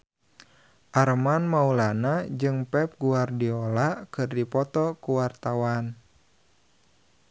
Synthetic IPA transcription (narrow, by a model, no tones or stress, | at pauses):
ʔaɾmanmaulanad͡ʒɨŋpɛp̚ɡuardiɔlakɨrdipɔt̪ɔkuwart̪awan